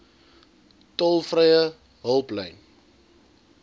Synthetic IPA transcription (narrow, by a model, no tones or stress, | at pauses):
tɔlˠfrɛjə | ɦəlˠplɛjn